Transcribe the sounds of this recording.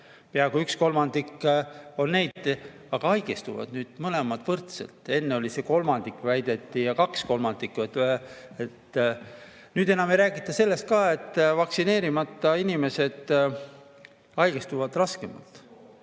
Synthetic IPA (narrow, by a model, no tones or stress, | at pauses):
peɑɡuyksko̞lmɑnd̪̥ikːo̞nne̞jd̪̥ | ɑɡ̥ɑɑjɡ̥est̪uvɑ̰d̪̥nyːd̪̥mɤle̞mɑt̪vɤrt̪sḛlt̪ˑe̞nːeo̞lʲise̞ko̞lmɑnd̪̥ikːˑvæjd̪̥e̞t̪ˑːijɑkɑksko̞lmɑnd̪ikːˑuet̪et̪ː | nyːd̪e̞nɑme̞jɾæːɡit̪ˑːɑse̞lːe̞st̪̚kɑːe̞t̪ːˑvɑksine̞ːɾimɑt̪ˑːɑinime̞se̞d̪̥ | ɑjɡest̪uvɑd̪̥rɑske̞mɑ̰lt̪